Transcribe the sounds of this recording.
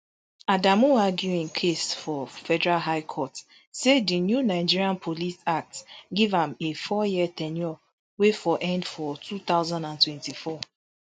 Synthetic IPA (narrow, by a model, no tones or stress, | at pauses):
adamuaɡjuĩnkʰesfɔfɛdɛɹalɦaɪkʰɔt | sedinjunaɪd͡ʒiɹiãnpʰolisak̚tɡivãmefɔjiɛtɛnjɔ | wefɔʔɛ̃ndfɔtʰut̪aʊzãndãntwɛ̃ntifɔ